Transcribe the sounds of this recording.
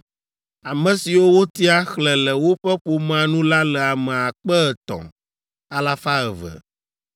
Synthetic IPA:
a˨mə̃˨si˨wo˦wo˦t̪i˦a˦xlɛ˨lɛ˨wo˦ɸɛ˦ɸo˨m˦ã˨nũ˦la˦lɛ˨a˨mɛ̃˨a˨k͡pɛ˦ɛ˨t̪ɔ̰̃˨ | a˨la˦fa˦ɛ˨vɛ̰˨

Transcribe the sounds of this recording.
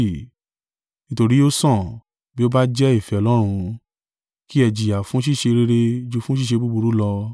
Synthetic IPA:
nĩ˨˧to˧ɾi˨˦o˦sɔ̃˦˨ | bi˦o˦ba˦d͡ʒɛ˦i˦˨fɛ˨˧ɔ˧˨lɔ˦ɾ̃ũ˧ | ki˦ɛ˧d͡ʒi˨a˨fũ˨˦ʃ̬i˦˨ʃe˧ɾe˧ɾe˧d͡ʒu˧fũ˦ʃ̬i˦˨ʃe˧bu˦bu˧ɾu˦lɔ˧

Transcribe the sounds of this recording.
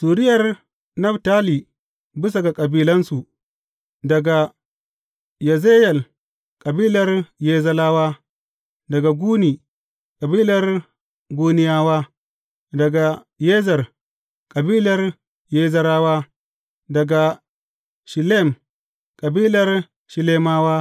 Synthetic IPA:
suː˨ɾɪ˦jɐ˨r | nɐ˦btaː˦li˨ | bi˦s̬a˨ɡa˨kʼɐ˨biː˦lɐ˦nsu˨ | dɐ˨ɡa˨ | ja˨ze˦jɐ˨l | kʼɐ˨biː˦lɐ˨rjeː˦zɐ˦laː˦waː˦ | dɐ˨ɡa˨ɡuː˦niː˨ | kʼɐ˨biː˦lɐ˦r | ɡuː˦nɪ˦jaː˦waː˦ | dɐ˨ɡa˨ | je˦zɐ˨r | kʼɐ˨biː˦lɐ˨r | jeː˦zɐ˦ɾaː˦waː˦ | dɐ˨ɡa˨ | ʃi˨le˦˨m | kʼɐ˨biː˦lɐ˨r | ʃi˨le˦maː˦waː˦

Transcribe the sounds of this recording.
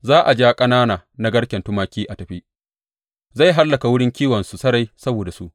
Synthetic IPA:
zaː˦ʔa˨d͡ʒa˦kʼɐ˦naː˦naː˨na˦ɡɐ˦ɽkʲɛ˨ntʊ˦maː˦kʲiː˦ʔa˨tɐ˨ɸi˦ | za˦˨jɦa˦lːɐ˨ka˨wʊ˦ɽɪ˦ŋkʲiː˦wɐ˨nsu˨sɐ˦ɾa˦jsɐ˦boː˨da˨su˦ʔ

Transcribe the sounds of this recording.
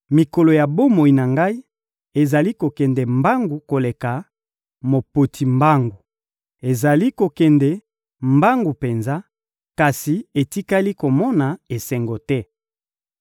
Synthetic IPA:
mi˨ko˨lo˨ja˨bo˦mo˨i˨na˨ŋɡa˦i˦ | e˨za˨li˦ko˨kɛ˨ndɛ˨mba˦ŋɡu˨ko˨le˨ka˨ | mo˨po˨tʰi˨mba˦ŋɡu˨ | e˨za˨li˦ko˨kɛ˨ndɛ˨ | mba˦ŋɡu˨pe˨nza˦ | ka˨si˨e˨ti˦ka˦li˦ko˨mɔ˦na˨e˨sɛ˨ŋɡo˨tɛ˦

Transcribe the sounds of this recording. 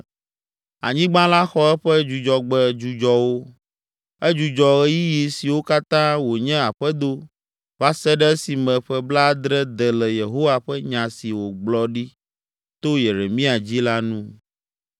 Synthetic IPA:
a̰˨ɲĩ˦ɡ͡bã˦la˦xɔ˦ɛ˦ɸɛ˦d͡ʒu˨d͡ʒɔ˨ɡ͡bɛ˦d͡ʒu˨d͡ʒɔ˦wo˦ | ɛ˦d͡ʒu˨d͡ʒɔ˨ɛ˦ji˦ji˨si˨wo˦ka˦t̪ã˦wo˨ɲɛ̃˦a˨ɸɛ˦d̪o˦ | va˦sɛ˦ɖɛ˦si˨mɛ̃˨ɸɛ˦bla˦d̪ɾɛ˦d̪ɛ˨lɛ˨je˨ɦo˦wa˨ɸɛ˦ɲã˨si˨wo˨ɡ͡blɔ˨ɖi˦ | t̪o˦je˨ɾe˨mĩ˦a˨d͡ʑi˦la˦nũ˦

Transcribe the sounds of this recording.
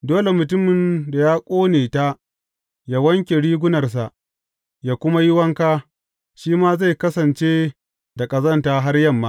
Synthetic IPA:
doː˦le˨mʊ˨tʊ˦mɪ˨nda˨jaː˦kʷʼoː˦neː˨ta˦ | jaː˦wɐ˦ŋkʲe˨ɽiː˦ɡʷʊ˦nɐ˨rs̬a˨ʔ | jaː˦kʷʊ˦ma˦jɪ˦wɐ˦ŋkaː˦ | ʃiː˦maː˦za˦˨jkɐ˦sɐ˨nt͡ʃeː˦ | da˨kʼɐ˨zɐ˦ntaː˦ɦa˦rjɐ˦mːa˦

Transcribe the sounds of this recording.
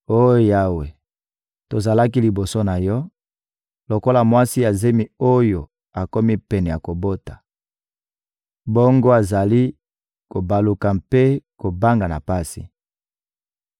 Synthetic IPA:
o˦jja˦we˨ | to˨za˨la˦ki˦li˨bo˨so˦na˨jɔ˦ | lo˨ko˦la˨mwa˦si˦ja˨ze˦mi˨o˦jo˨ | a˨ko˦mi˦pɛ˨nɛ˨ja˨ko˨bo˦tḁ˨ | bo˦ŋɡo˦a˨za˨li˦ | ko˨ba˨lu˨ka˨mpe˦ko˨ba˦ŋɡa˨na̰˨pa˦sḭ˨

